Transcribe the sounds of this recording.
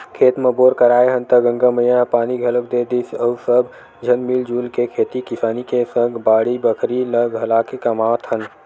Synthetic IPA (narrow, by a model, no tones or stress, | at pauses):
kʰeːt̪meboːɾkəɾaːeɦənt̪əɡə̃ŋɡəməjãpaːniɡʱələk̚d̪ed̪isəusəb | d͡ʒʱənmild͡ʒuːlkekʰeːt̪ikisaːnikesəŋɡbaːɽibəkʰɾiləɡɦəlaːkekəmaːʋət̪ɦən